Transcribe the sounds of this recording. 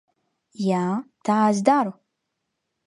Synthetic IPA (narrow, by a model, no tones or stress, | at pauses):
jat̪ʰazd̪aɾu